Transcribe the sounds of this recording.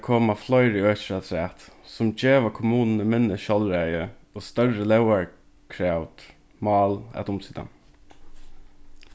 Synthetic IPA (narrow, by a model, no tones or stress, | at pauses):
kʰoːmaflɔɪɾiøːt͡ʃɹat̪ʰɾæːt̪sʊmd͡ʒeːʋakʰʊmuːnnəmɪnːəʃɔlɾɛjəoːst̪œɹəlɛwaɹ | kʰɾaʊt̪ | mɑːla̰t̪ʊmsiːd̪a̰n